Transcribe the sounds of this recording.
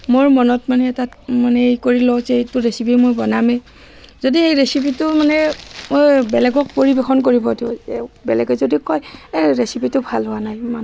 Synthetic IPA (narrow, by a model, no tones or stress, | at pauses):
moɹmɔnɔtmanɛtatmanɛejkoɹilɔwzɛjtʊɹesipimojbɔnamɛ | zodiejɹesipitʊmanɛmojbɛlɛɡɔk̚poɹibexʰɔnk̬oɹibɔdḭɛ̰bɛlɛɡɔzodikɔjɹesipitʊbʱalɦʊwanajman